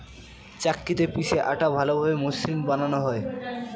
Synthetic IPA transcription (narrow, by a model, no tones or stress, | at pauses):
t͡ɕakːit̪epiʃeʔaʈabʱalobʱabemoslimbananoɦɔe